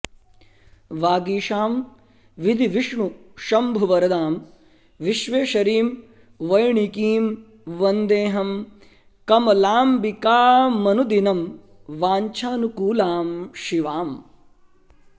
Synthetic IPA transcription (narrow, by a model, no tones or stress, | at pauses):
ʋaːɡiːʃaːm | ʋid̪iʋiʂɳuʃɐmbʱuʋɐɾɐd̪aːm | ʋiʃʋeːʃɐɾiːm | ʋɐjɳikiːm | ʋɐnd̪eːɦɐm | kɐmɐlaːmbikaːmɐnud̪inɐm | ʋaːɲt͡ʃʰaːnukuːlaːmʃiʋaːm